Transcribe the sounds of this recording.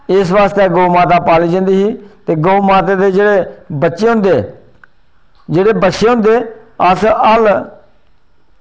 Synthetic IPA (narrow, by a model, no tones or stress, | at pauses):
ɪsʋaːst̪eːɡoːmaːt̪aːpaːliːd͡ʒãːnd̪iːɦiːt̪eːɡoːmaːt̪eːd̪eːd͡ʒeːɽeːbətːʃeːɦʊ̃nd̪eː | d͡ʒeːɽeːbətːʃeːɦʊ̃nd̪eːəsəl